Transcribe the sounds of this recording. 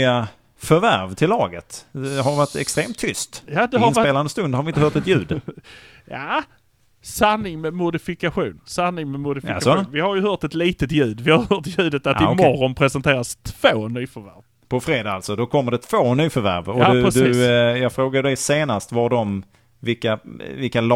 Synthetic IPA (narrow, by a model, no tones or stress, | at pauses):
a | fœɾvæɾvt̪ʰɪlːɑːɡət̪ɛɦaɾvaʈɛ̰kst̪ɾeːmt̪ʰːʏst̪jaːd̪ɛɦaspeːland̪əst̪ɵnd̪haɾvɪnt̪əhœːʈt̪ɛt̪jʉ̟ːd̪ | jaː | sanːɪŋmɛmʊd̪ɪfɪkaɧuːnsanːɪŋmɛmʊd̪ɪfɪasɔuːnvɪhaɾjɵɦœːʈ̪ɛt̪liːt̪ət̪jʉ̟ːd̪vɪhaɾjhœːt̪jʉ̟ːd̪ət̪at̪ɪmɔrːɔnpʰɾɛsɛnt̪ʰeːɾast̪ʰv̥oːnyːfœɾvæ̰ɾv | pʰɔfɾeːd̪aalt̪sɔd̪ɔkʰɔmːəɖɛt̪ʰv̥oːnyːfœɾvæ̰ɾvɔdɵɾɛd̪ɵisjɑːɡfɾoːɡad̪ɛjseːnast̪vaɖɔm | vɪlkːavɪlkal